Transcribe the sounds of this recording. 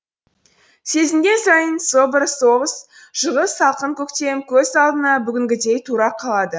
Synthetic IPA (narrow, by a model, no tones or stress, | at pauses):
se̞zɪŋɡ̪ʲe̞nsɑjənsobəɾso̞ʁəs | ʒ̥əʁəsːɑlˠqəŋkʲʰɵkt̪e̞mkʲʰɵzɑlˠd̪ənɑbʏɡʲɪŋɡʲɪd̪e̞jt̪ʰuɾɑqʰːɑlˠɑd̪ə